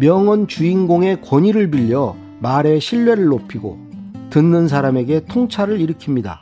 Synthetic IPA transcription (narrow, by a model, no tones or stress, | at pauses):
mjʌŋʌnt͡ɕuinɡoŋe̞kwʌɲiɾɯɭbiʎːʌ | maɾe̞ɕʰiɭːwe̞ɾɯɭːopʰiɡo̰ | tɯnːɯns̬ʰaɾame̞ɡe̞tʰoŋt͡ɕʰaɾɯɾiɾɯkʰimɲida̰